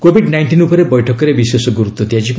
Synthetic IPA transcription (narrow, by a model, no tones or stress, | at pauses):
kobʱiɖnajɳʈinupɔɾebɔjʈʰɔkɔɾebisesɔɡuɾut̪ːɔt̪jad͡ʒip